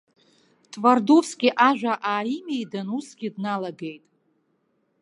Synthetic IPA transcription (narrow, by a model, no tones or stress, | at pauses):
tʼvardofsɡʲiʔaʒᶣʷaʔaːimejdanusɡ̥ʲidnalaɡe̞jtʼ